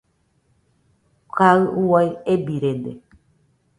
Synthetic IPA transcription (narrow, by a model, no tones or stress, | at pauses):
kaɨuwajebiɾend̪ḛ